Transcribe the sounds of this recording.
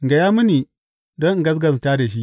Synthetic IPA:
ŋ˨ɡa˨jaː˦mu˦ni˨ | dɔ˦ŋ˨ɡɐ˦s̬ɡɐ˨staː˦da˨ʃ̬i˦ʔ

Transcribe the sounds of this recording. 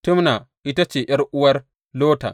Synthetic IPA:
tʊ˦mna˨ | ʔɪ˦ta˦t͡ʃeː˨ʔɐ˦ɾʔʊ˦wɐ˦r | loː˦ta̰˨

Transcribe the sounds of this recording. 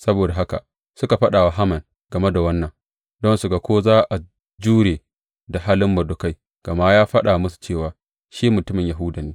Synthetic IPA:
sɐ˦boː˨da˨ɦa˦ka̰˨ | sʊ˦ka˨ɸɐ˦ɗaː˨wa˦ɦa˦mɐ˨ŋ | ɡ̥ɐ˨me˦da˨wɐ˦nːɐ˨ŋ | dɔ˦nsʊ˨ɡa˨kʷoː˦zaː˦ʔa˨ | d͡ʒuː˦ɽeː˨ | da˨ɦaː˦lɪ˦mːɐ˨dʊ˨ka˦j | ɡ̥ɐ˨ma˦jaː˦ɸɐ˦ɗa˨mʊ˦su̥˨t͡ʃeː˦˨waː˨ | ʃi˦mʊ˨tʊ˦mɪ˨ɲja˨ɦʊ˦da˨niː˦

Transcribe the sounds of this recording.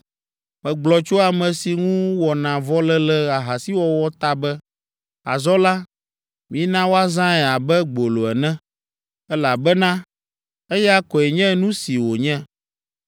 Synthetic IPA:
mɛ̃˨ɡ͡blɔ˨t͡ʃo˦a˨mɛ̃˨si˨ŋũ˦wɔ˨nã˨vɔ˦lɛ˦lɛ˦a˨ɦa˨si˦wɔ˨wɔ˦t̪a˦bɛ˦ | a̰˨zɔ˦la˦ | mĩ˦nã˦wo˦a˦zã˦ɛ˨a˨bɛ˦ɡ͡bo˨lo˨ɛ̰˨nɛ̃˦ | ɛ˦la˨bɛ˦nã˦ | e˦ja˦kɔ˨ɛ˨ɲɛ̃˦nũ˦si˨wo˨ɲɛ̃˦

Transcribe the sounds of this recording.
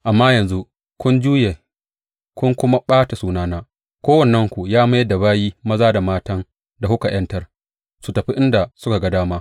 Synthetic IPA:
ʔa˨mːaː˦jɐ˨nzu˦ | kʷʊ˦nd͡ʒuː˦je˨ | kʷʊ˦ŋkʷʊ˦ma˦ɓaː˦ta˨suː˦naː˦naː˦ | kʷoː˦wɐ˨nːɐ˦ŋkʷu˨jaː˦ma˦da˨baː˦jiː˦mɐ˦zaː˦da˨maː˦tɐ˦n | da˨hʊ˦ka˨j̰ɐ˦ntɐ˦r | su˨tɐ˨ɸi˦ʔɪ˦nda˨sʊ˦ka˨ɡɐ˦daː˦maː˦

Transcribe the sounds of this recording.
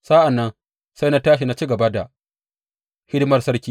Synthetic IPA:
sa˦ʔa˨nːɐ˦ŋ | sa˦jna˦taː˦ʃ̬i˨na˦t͡ʃi˦ɡɐ˨ba˦da˨ | hʲɪ˦dmɐ˨rsɐ˦ɽkʲiː˦

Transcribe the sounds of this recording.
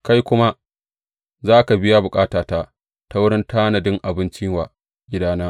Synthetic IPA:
ka˦jkʷʊ˦ma˦ | zaː˦ka˨bɪ˦ja˦bʊ˨kʼaː˦taː˨taː˦ | ta˦wʊ˦ɽɪ˦ntaː˦nɐ˨dɪ˦ŋʔa˨bɪ˦nt͡ʃi˦waː˨ | ɡʲɪ˦daː˦naː˦

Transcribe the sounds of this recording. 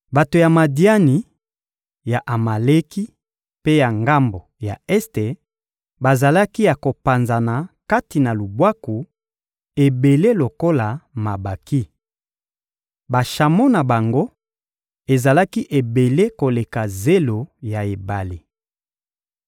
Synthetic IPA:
ba˨to˨ja˨ma˨di˦a˦ni˨ | ja˨ʔa˨ma˨le˦ki˦ | pe˦ja˨ŋɡa˦mbo˨ja̰˨ɛ˦ste˨ | ba˨za˨la˦ki˦ja˨ko˨pa˨nza˨na˨ka˦ti˨na˨lu˨bwa˦ku˨ | e˨be˨le˦lo˨ko˦la˨ma˨ba˨ki˦ | ba˨ʃa˨mo˦na˨ba˨ŋɡo˦ | e˨za˨la˦ki˦ʔe˨be˨le˦ko˨le˨ka˨ze˦lo˨ja˨e˨ba˨li˨

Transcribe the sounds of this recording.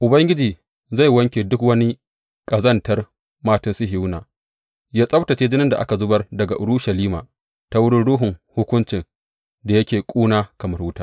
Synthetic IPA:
ʔʊ˨bɐ˦ŋɡʲɪ˦d͡ʒiː˨ | za˦˨jwɐ˦ŋkʲeː˨dʊ˦kwɐ˦ni˦ | kʼɐ˨zɐ˦ntɐ˦r | maː˦tɐ˦˨sɪ˦ɦɪ˨˦wnaː˨ | jaː˦sʼɐ˦btɐ˨t͡ʃeː˦d͡ʒɪ˦nɪ˦nda˨ʔa̰˦ka˨zʊ˦bɐ˦rdɐ˨ɡa˨ʔʊ˨ɽu˦ʃɐ˨liː˦ma̰ː˨ | ta˦wʊ˦ɽʊ˦ɽuː˦ɦʊ˨ŋhʊ˦kʷʊ˦nt͡ʃɪ˨n | da˨jɐ˦kʲeː˨kʷʼuː˦naː˦kɐ˨mɐ˦wʊ˦taː˦

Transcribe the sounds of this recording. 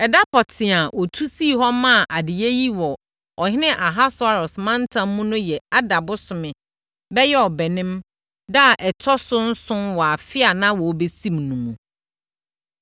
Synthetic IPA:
ɛ˨da˦pʰɔ˨tʰɪ̃˨a˨ʔɔ˨tʰu˦siː˦˨ɦɔ˦mã˦˨ʔa˨dɪ˨je˦ji˦wɔ˨ | ɔ˨ɦɪ˦nɪ̃˦ʔa˨ɦa˦sʊ˨a˦ɾɔ˨smã˦n˦tʰã˦mːũ˦nʊ̃˦jɛ˨a˦da˨bʊ˦sʊ˨mɪ̃˨ | bɛ˦jɛ˦ɔ˨bɛ˨nɪ̃˦m | da˦˨ʔɛ˨tʰɔ˦sʊ˦n̩˦sʊ̃˦mwɔ˨a˨fɪ˦a˨nã˦wɔ˨˦be˦sĩ˦mnũ˨mũ˨

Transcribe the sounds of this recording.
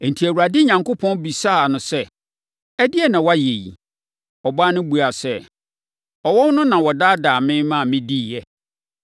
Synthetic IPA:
n̩˨tʰi˨æ˨wu˨ɾa˨dɪ˦ɲã˨ŋkʊ˦pʰɔ̃˦n˦bi˨sa˦a˨nʊ̃˨sɛ˦˨ | æ˦dɪ˦ɛ˦nã˨wa˦je˨jḭ˨ | ɔ˨ba˦nʊ̃˦bu˨a˨sɛ˦ | ɔ˨wɔ˦wnʊ̃˦nã˨wɔ˨daː˦daː˨mɪ̃˦mã˦˨mɪ̃˦di˦˨jɛ˨

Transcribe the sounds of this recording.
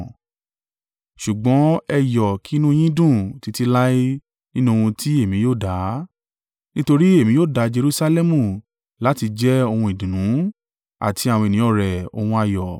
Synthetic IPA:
ʃu˨ɡ͡bɔ̃˨˦ɛ˧jɔ˨ki˨˦nũ˦j̃ĩ˦dũ˦˨ti˨˧ti˧la˦i˦ | nĩ˦nũ˦˧wũ˧ti˦e˦˨mĩ˨˦joː˦˨da˨˦ | nĩ˦to˧ɾi˦e˦˨mĩ˨˦joː˦˨da˨˦d͡ʒe˧ɾu˦sa˧lɛ˦mũ˦˨ | la˨˦ti˧d͡ʒɛ˦o˧hũ˧i˨dĩ˨nũ˨˦ | a̰˨ti˧a˨wɔ̃˧i˨nĩ˨˦ɔ˦˨ɾɛ˨o̰˧hũ˧a˧jɔ˨

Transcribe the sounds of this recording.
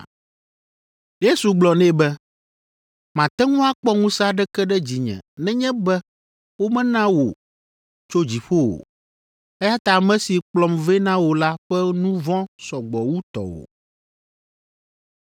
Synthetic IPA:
je˦su˨ɡ͡blɔ˨nɛ̃˦bɛ˦ | mã˨t̪ɛ˦ŋũ˦a˦k͡pɔ˦ŋũ˦sa˦ɖɛ˦kɛ˦ɖɛ˦d͡ʑi˨ɲɛ̰̃˨nɛ̃˦ɲɛ̃˦bɛ˦ | wo˦mɛ̃˦nã˦wo˨ | t͡ʃo˦d͡ʑi˨ɸo˦wo̰˨ | ɛ˦ja˦t̪a˦˨mɛ̃˦si˨k͡plɔ˨mve˦nã˦wo˨la˦ɸɛ˦nũ˦vɔ̃˦sɔ˨ɡ͡bɔ˨wu˦t̪ɔ̰˨wo̰˨

